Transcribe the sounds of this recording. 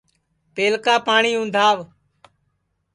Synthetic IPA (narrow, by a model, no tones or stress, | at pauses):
peːlkaːpaːɳiːʊ̃nd̪ʱaːʋ